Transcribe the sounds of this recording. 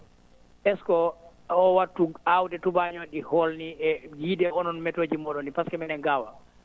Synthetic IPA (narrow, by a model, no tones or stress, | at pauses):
ʔɛskɔ | ɔwatːuawdɛtubaɲɔɗiholniɛɡidɛɔnɔnmɛtoːd͡ʒimɔɗɔnipaskɛmɛnɛŋɡawa